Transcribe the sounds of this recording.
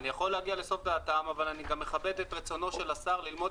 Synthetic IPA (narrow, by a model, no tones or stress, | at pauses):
nijaχo̞lːeaɡiale̞so̞fd̪aːt̪amavalaniɡamːe̞χabe̞d̪etʁet͡so̞no̞ʃe̞lasaʁlilmo̞